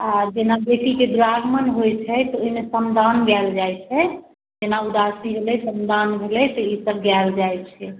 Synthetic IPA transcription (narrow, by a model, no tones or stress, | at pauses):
ad͡ʒenabeʈiked̪ɾaɡmənɦojt͡ʃʰɛt̪ɔoimesənd̪ʱanɡald͡ʒajt͡ʃʰɛ | d͡ʒenaud̪asibʱelɛsənd̪ʱanbʱelɛt̪ɔisəb̚ɡald͡ʒajt͡ʃʰɛ